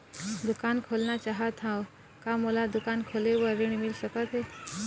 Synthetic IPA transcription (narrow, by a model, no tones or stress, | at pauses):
d̪ukankʰolnat͡ɕaɦət̪ʰãw | kaməlad̪ukankʰoleʋəɾiɳ̃milɕəkət̪e